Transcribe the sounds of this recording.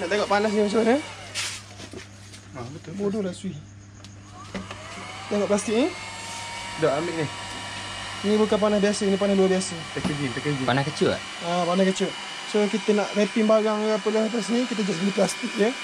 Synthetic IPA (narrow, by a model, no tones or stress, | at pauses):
naʔt̪eŋɔʔpanas̬nimat͡ʃaanə | abək̪obodolaʔsuih | t̪eŋɔʔplast̪ik̚ni | doʔamiʔnih | nibukanpanasbiasənipanahluabiasət̪əkəɡit̪əkəd͡ʒipanahkət͡ʃʊʔ | apanaskət͡ʃʊʔ | sokit̪ənaʔrepiŋbaɣaŋapəlahat̪̬asnikit̪əd͡ʒasbəliplast̪ɪk̚jə